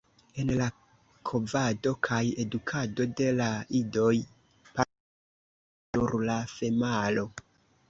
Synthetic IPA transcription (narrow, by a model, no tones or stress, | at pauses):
e̞nla | kʰo̞vado̞kʰaje̞dukʰado̞de̞laido̞j | pa | uɾlafe̞malo̞